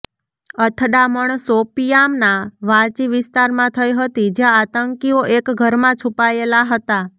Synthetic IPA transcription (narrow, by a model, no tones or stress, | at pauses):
ət̪ʰɖaməɳsopijamnaʋãt͡ʃiʋɪst̪aɾmãt̪ʰəjɦət̪id͡ʒjãːt̪əŋkioʔekɡʱəɾmãt͡ʃʰupajelaɦət̪a